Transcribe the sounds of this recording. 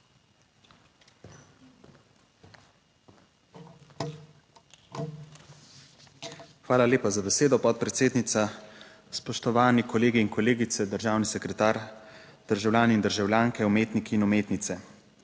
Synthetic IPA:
xʋaːlaljeːpazabɛseːd̪ɔpɔt̪̚pɾɛt̪seːd̪nit̪sa | spɔʃt̪ɔʋaːnikɔleːɡiːnkɔleːɡit̪sɛd̪əɾʒaːwnisɛkɾɛt̪aːɾd̪̥əɾʒawlʲjaːnɛind̪əɾʒawljaːŋkɛumeːt̪nikiːnumeːt̪nit̪sɛ

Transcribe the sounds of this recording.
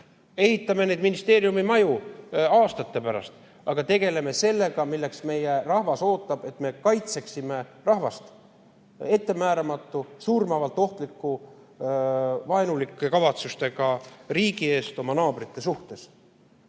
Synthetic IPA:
e̞hit̪ːˑɑme̞nejd̪minist̪e̞ːɾjumimɑjuɑːst̪ɑt̪ːe̞pæɾɑ̰st̪ | ɑɡ̥ɑt̪e̞ɡ̥e̞le̞me̞se̞lːe̞ɡ̥ɑmilːe̞ksme̞jerɑhvɑso̞ːt̪ːˑɑb̥e̞t̪me̞kɑjt̪se̞ksime̞rɑhvɑst̪ | e̞t̪ːe̞mæːɾɑmɑt̪ˑːusuːrmɑvɑlt̪ːˑo̞ht̪likːˑu | vɑenulikːˑekɑvɑt̪sust̪e̞ɡɑriːɡ̥ie̞ːst̪o̞mɑnɑːb̥rit̪ːˑe̞suht̪e̞s

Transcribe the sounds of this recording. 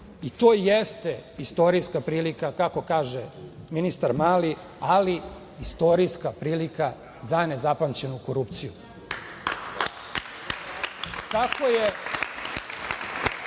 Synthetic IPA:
it̪o̞ːjest̪eist̪o̞ɾiskapɾiːlikakako̞kaːʒeminist̪aɾmaːli | ali | ist̪o̞ɾiskapɾiːlika | zane̞zapamt͡ɕe̞nuko̞ɾup̚t̪sijṵ | kako̞je

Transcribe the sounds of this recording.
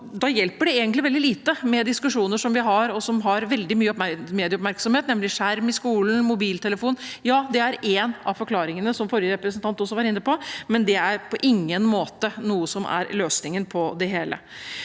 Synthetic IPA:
d̪ɑjɛlpəɖɛeːɡənt̪lɪʋɛld̪ɪliːt̪əmɛd̪ɪskʉʂuːnəʂɔmʋɪɦɑɾɔsɔmɦɑɾʋɛld̪ɪmyːəɔpmeːd̪ɪəɔpmæɾksɔmheːt̪nɛmlɪʂæɾmɪskuːln̩mʊbiːlt̪ʰɛləfuːnjɑːd̪ɛæɾenɑfɔɾkʰlɑːɾɪŋənəsɔmfɔɾjəɾɛpɾəsənt̪ɑnt̪ɔsːɔʋɑɾɪnːɾəpʰɔmɛnd̪ɛæɾpʰɔʔɪŋːənmoːt̪ənuːəsɔmʔæ̰ɾløːsnɪŋənpʰɔd̪ɛɦeːlə̰

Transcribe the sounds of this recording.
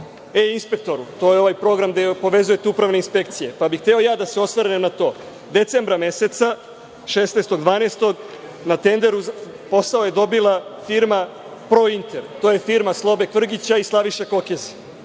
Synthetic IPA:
einspe̞k̚t̪o̞ɾut̪o̞ːjeo̞ʋajpɾo̞ɡɾamd̪epo̞ʋe̞zuje̞t̪eupɾaʋne̞inspe̞kt̪sije̞pabixt̪eo̞jaːd̪ase̞o̞sʋaɾenemnat̪o̞ː | d̪e̞t̪se̞mbɾame̞se̞t̪sa | ʃeːsnest̪o̞ɡd̪ʋaːnest̪o̞ɡ | nat̪e̞nd̪e̞ɾuz | po̞sao̞je̞d̪o̞bilˠafiɾma | pɾo̞int̪eɾt̪oːjefiɾmaslˠo̞bek̪ʋr̩ɡit͡ɕaislˠaʋiʃeko̞kezi

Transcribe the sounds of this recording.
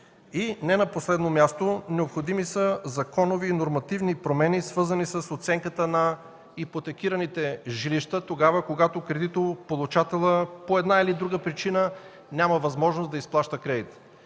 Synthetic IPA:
inɛnɐposlɛd̪nomʲjast̪onɛopxod̪imisəzɐkɔnoviːnoɾmɐt̪ivnipɾomɛnisvɤɾzənisəsot̪sɛŋkət̪ənɐ | ipot̪ɛk̟iɾɐnit̪ɛʒiliʃt̪ət̪oɡavəkoɡat̪okɾɛd̪it̪opolˠut͡ʃat̪ɛlˠəpoɛd̪nailid̪ɾuɡəpɾit͡ʃinə | nʲaməvɐzmɔʒnosd̪ɐisplˠaʃt̪əkɾɛd̪it̪

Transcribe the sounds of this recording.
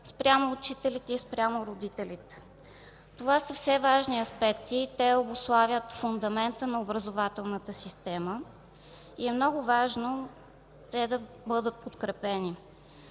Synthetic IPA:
spɾʲamoːt͡ʃit̪ɛlit̪ɛispɾʲamoɾod̪it̪ɛlʲit̪ɛ̥ | t̪ovasəfsɛvaʒniɐspɛkt̪it̪ɛobʊslˠavʲjət̪fʊnd̪ɐmɛnt̪ənɐobɾəzovat̪ɛlˠnət̪əsist̪ɛmə | iɛmnɔɡʊvaʒno | t̪ɛd̪ɐ | bɤd̪ət̪̚pot̪kɾɛpɛni

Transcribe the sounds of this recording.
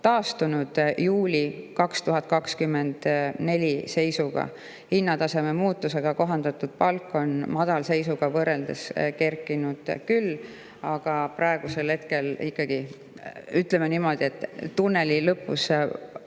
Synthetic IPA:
t̪ɑːst̪unud̪̥juːlʲikɑkst̪uɦɑt̪̚ːˑkɑkskymːe̞nd̪̥ne̞lʲise̞jsuɡ̥ɑ̰ | hinːɑt̪ɑse̞me̞muːt̪ːˑuse̞ɡ̥ɑko̞ɦɑnd̪ɑt̪ːˑud̪̥̚pɑlkːˑo̞nmɑd̪̥ɑlse̞jsuɡ̥ɑvɤɾːe̞ld̪eske̞rkːˑinud̪̥kylː | ɑɡ̥ɑprɑe̞ɡ̥use̞lhe̞t̪ke̞likːˑɑɡ̥i | yt̪le̞menimo̞d̪̥ie̞t̪ːˑt̪ːunːe̞lilɤpːˑṵs

